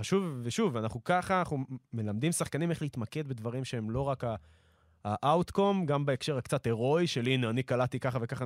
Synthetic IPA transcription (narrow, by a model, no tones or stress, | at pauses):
aʃuvːeʃuvanaχnukaχanaχnume̞lamd̪imsaχkanimeχleit̪make̞d̪be̞dvaʁimʃeemlo̞ʁakaː | ʔawt̪ko̞mɡambeekʃe̞ʁakt͡sat̪e̞ʁo̞jʃelinanikalat̪ikaχave̞kaχa